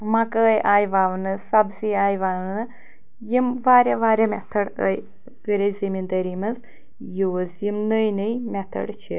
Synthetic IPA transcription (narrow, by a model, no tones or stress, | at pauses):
mɐkəjʔaːjʋaːʋɨnɨsɐbsiaːjʋaːʋnɨ | jimʋaːɾʲɐʋaːɾʲɐmʲɛt̪ʰɐɽə̰j | ɡəɾɐzimind̪ɐɾimɐz | joːzjimnɨjnɨjmʲɛt̪ʰɐ̰ɽt͡ʃʰḭ